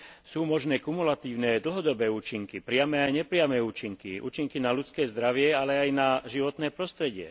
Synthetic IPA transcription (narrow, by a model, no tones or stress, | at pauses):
suːmɔʒnɛːkumulat̪iːʊnɛːd̪l̩ɦɔd̪ɔbɛːuːt͡ʃiŋkipɾɪamɛːajɲɛpɾɪamɛːuːt͡ʃiŋkḭṵːt͡ʃiŋkinalut͡skɛːzd̪ɾaʋɪɛalɛajnaʒiʋɔt̪nɛːpɾɔst̪ɾɛɟɪɛ̰